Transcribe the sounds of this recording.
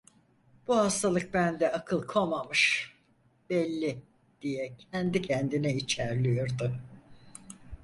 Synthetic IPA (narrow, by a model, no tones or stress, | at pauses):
b̥uhast̪ʰalˠɯk̚bænd̪ɛakʰɯlˠkʰomamɯʃ | b̥ɛlʲːi | d̪̥ijɛcʰɛnd̪icʰɛnd̪inɛit͡ʃʰæɾlʲijoɾd̪ʊ